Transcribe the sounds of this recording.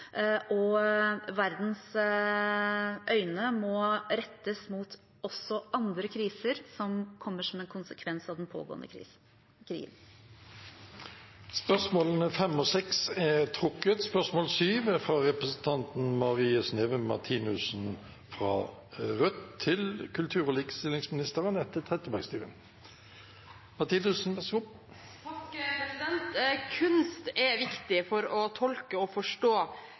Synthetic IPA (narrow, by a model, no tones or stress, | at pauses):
ʔɔ | ʋæɾd̪n̩s | ʔœʏnəmɔɾɛt̪ːəsmuːt̪ | ɔsːɔʔɑnd̪ɾəkʰɾiːsəɾsɔmkʰɔmːəʂɔmɛnkʰʊnsəkʰʋɛnsɑʋd̪ɛnpʰo̰ːɡo̰ːə̰nd̪ə | ɾḭːɡən | spœsmoːlənəfɛmːɔsɛksɛt̪ʰɾʊkːət̪spœʁsmoːlsyːʋəfʁɑʁɛpʁəsən̩t̪ʰɑnt̪n̩mɑʁiːəsneːʋəmɑ̰ʁt̪ʰiːnʉsn̩ | fʁɑ̰ | ʁœt̪ʰːɪlkʰʉlt̪ʰʉːʁɔliːkə̥st̪ɪlɪŋsmɪnɪst̪əʁənɛt̪ʰːət̪ʰʁɛt̪əbæɡst̪yːʁə̰n | mɑt̪ʰiːnʉsn̩æsʊp | ɛnt̪kʰʉnst̪ɛʋɪkt̪ɪfɔɾɔt̪ʰɔlkəɔfɔʂʈoː